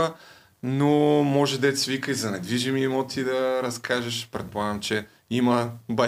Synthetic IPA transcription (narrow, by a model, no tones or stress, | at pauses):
ə | nomɔʒɛd̪ɛt̪svikəizɐnɛd̪viʒimiːmot̪id̪ɐɾɐskʰaʒɐʃpɾɛt̪̚poaɡəmt͡ʃɛ | imɐba